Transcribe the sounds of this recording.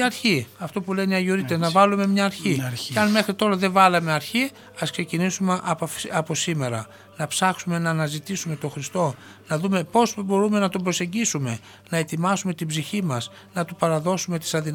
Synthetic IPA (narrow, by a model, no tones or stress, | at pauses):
ɐɾçiɐft̪o̞puleniɐʝuɾit̪eznɐvɐlume̞mɲɐːɾçiɐnme̞xɾit̪o̞ɾɐðe̞vɐlɐme̞ɐɾçi | ɐskse̞cinisumeʔɐɐpo̞sime̞ɾɐ̰ | nɐpsɐxsume̞nɐːnɐzit̪isume̞t̪o̞xɾist̪o̞ | nɐðume̞po̞sbo̞ɾume̞nɐt̪obɾo̞se̞ɲɟisume̞ | nɐe̞t̪imɐsume̞t̪ibziçimɐs | nɐt̪upɐɾɐðo̞sume̞t̪i̥sɐðin